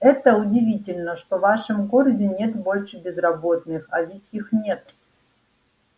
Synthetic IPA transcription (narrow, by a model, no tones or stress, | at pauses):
ɛt̪əʊdʲɪvʲitʲɪlʲnəʂt̪ovaʂɨmkorzʲɪnʲe̞t̪bo̞lʲʂɨbʲɪzrɐbo̞t̪nɨxɐvʲitʲixnʲe̞t̪